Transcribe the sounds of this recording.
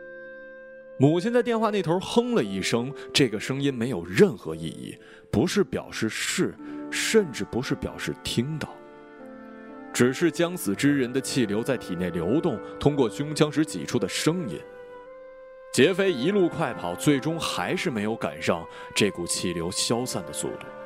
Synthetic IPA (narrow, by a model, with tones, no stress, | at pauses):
mu˨˩t͡ɕʰi˥nt͡sa˥˧ɪjɛ˥˧nxwa˥˧ne˥˩ɪt̪ʰo˧˥xɤ˥ŋlə˨i˥˩ʂɤ˥ŋʈ͡ʂɤ˥˩ɡə˩ʂɤ˥ŋi˥nme˧˥ɪjo˨˩ʊɻə˥˩nxɤ˧˥ḭ˥˩ḭ˥˩ | pu˧˥ʂɻ̩˥˩pjɑ̰˨˩ʊʂɻ̩˥˧ʂɻ̩˥˩ʂə˥˧nʈ͡ʂɻ̩˥˩pu˧˥ʂɻ̩˥˩pjɑ̰˨˩ʊʂɻ̩˥˩t̪ʰi˥ŋd̪ə˨˩ | ʈ͡ʂɻ̩˨˩ʂɻ̩˥˩t͡ɕjɑ˥ŋsɹ̩˨˩ʈ͡ʂɻ̩˥ɻə˧˥nd̪ə˧t͡ɕʰi˥˩ljo˧˥ʊt͡sa˥˩ɪt̪ʰi˨˩njɛ˥˩nljo˧˥ʊt̪ʊ˥˩ŋt̪ʰʊ˥ŋkwɔ˥˩ɕʊ˥ŋt͡ɕʰjɑ˥ŋʂɻ̩˧˥t͡ɕḭ˨˩ʈ͡ʂʰu˥d̪ə˨ʂɤ˥ŋḭ˥n | t͡ɕjɛ˧˥fe˥ɪi˧˥lu˥˧kʰwa˥˩ɪpʰɑ˨˩ʊt͡swe˥˩ɪʈ͡ʂʊ˥ŋxa˧˥ɪʂɻ̩˥˩me˧˥ɪjo˧˥ʊka̰˨˩nʂɑ˥˧ŋʈ͡ʂe˥˩ku˨˩t͡ɕʰi˥˩ljo˧˥ʊɕjɑ˥ʊsa˥˩nd̪ə˩sṵ˥˧˩t̪u̥̰˨˩